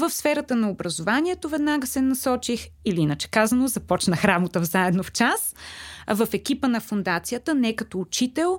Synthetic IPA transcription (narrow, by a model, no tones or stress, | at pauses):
vəfsfɛɾət̪ənɐobɾɐzovaniɛt̪ovɛd̪naɡəsɛnɐsɔt͡ʃixiliinət͡ʃɛ̥kazɐnozɐpɔt͡ʃnəxɾamot̪əvzaɛd̪noft͡ʃasvəfɛkʲipənɐfond̪at̪sijət̪ənɛkɐt̪ɔːt͡ʃit̪ɛlˠ